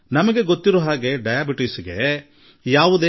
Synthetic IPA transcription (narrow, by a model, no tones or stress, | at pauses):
nɐmɐɡe̞ɡot̪ːiɾuɦaːɡe̞ɖɐjaːbiʈisɡe̞̰ | jaːʋud̪eː